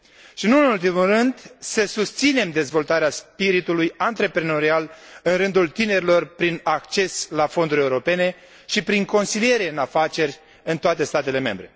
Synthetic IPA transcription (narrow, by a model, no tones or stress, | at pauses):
ʃinuɨnult̪̬imulrɨnd̪səsust̪sine̞md̪e̞zvo̞lt̪aɾeaspiɾit̪ulujant̪ɾe̞pɾeno̞ɾialɨnɾɨnd̪ult̪ine̞ɾʲilo̞rpɾinakt͡ʃe̞slafo̞nd̪uɾʲe̞uɾo̞pe̞ne̞ | ʃipɾiŋko̞nsilije̞ɾe̞ɨnafat͡ʃe̞rʲ | ɨnt̪oat̪e̞st̪at̪e̞le̞me̞̰mbɾe̞